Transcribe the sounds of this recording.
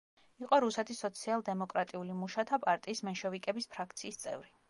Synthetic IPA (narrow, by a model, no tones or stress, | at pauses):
iqʼɔɾusɛt̪ʰisɔt̪sʰialˠd̪ɛmɔkʼɾat̪ʼiulimuʃat̪ʰapʼaɾt̪ʼiːsmɛnʃɔvikʼɛbispʰɾakʰt̪sʰiːst̪sʼɛ̰vɾi